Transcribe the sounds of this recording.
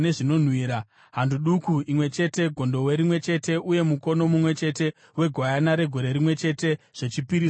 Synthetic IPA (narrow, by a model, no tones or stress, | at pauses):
neʐino̞n̤wiːɾa | ɦandʱuɗukuimwe̞t͡ʃe̞te̞ɡʱondo̞we̞ɾimwe̞t͡ʃe̞te̞ʔuje̞muko̞no̞mumwe̞t͡ʃe̞te̞ | we̞ɡʱwajanaɾe̞ɡʱo̞ɾe̞ɾimwe̞t͡ʃe̞te̞ʐ̥e̞t͡ʃipiɾiː